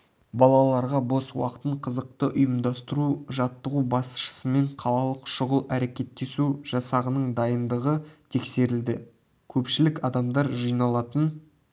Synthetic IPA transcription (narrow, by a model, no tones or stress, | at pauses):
bɑlˠɑlˠɑɾʁɑbo̞swɑ̰qə̥t̪əɴqʰəzəq̚t̪əʔʊjəmd̪ɑst̪əɾuʒɑt̪ːəʁubɑsʃə̥səme̞ɴqʰɑlˠɑlˠəqʃʊʁəlˠæɾe̞kʲe̞t̪ːe̞suʒ̥ɑsɑʁənəɴd̪ɑjənd̪əʁət̪ʰe̞kse̞ɾɪld̪ɪ | kʲʰɵpʃɪlɪkɑd̪ɑmd̪ɑɾʒijnɑlˠɑt̪ən